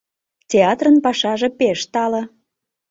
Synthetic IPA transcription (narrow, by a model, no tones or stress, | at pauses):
tʲeɑt̪rənpɑʃɑʒĕpeʃt̪ɑlə̆